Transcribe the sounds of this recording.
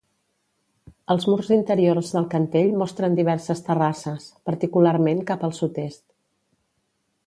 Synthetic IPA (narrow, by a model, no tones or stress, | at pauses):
əlˠzmurzint̪əɾiorzðəlˠkənt̪eʎmɔst̪ɾənd̪iβ̞ɛɾsəst̪ərasəspəɾt̪ikulaɾmeŋkapəlˠsut̪est̪̚